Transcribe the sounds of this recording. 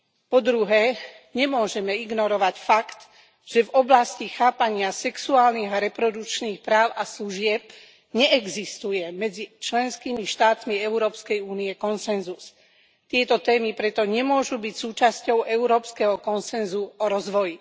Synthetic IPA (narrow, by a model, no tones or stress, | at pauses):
pɔd̪ɾuɦɛː | ɲɛmʊɔʒɛmɛiɡnɔɾɔʋacfakt̪ | ʒ̥ɛvɔblascixaːpaɲɪasɛksuaːlniɣaɾɛpɾɔd̪ut͡ʃniːxpɾaːʊʔasluʒɪɛp̚ | ɲɛʔɛɡzist̪ujɛmɛd͡zit͡ʃlɛnskiːmiʃt̪aːt̪miɛʊɾɔːpskɛjuːniɛkɔnsɛnzus | t̪ɪɛt̪ɔt̪ɛːmipɾɛt̪ɔɲɛmʊɔʒubicsuːt͡ʃascɔʊʔɛʊɾɔːpskɛɦɔkɔnsɛnzuɔɾɔzʋɔji